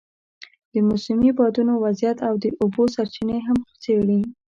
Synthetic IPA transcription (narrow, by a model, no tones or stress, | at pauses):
d̪̥əmusamibɑd̪unowazjat̪awd̪əʔobosaɾt͡ʃineɦamxt͡seɽi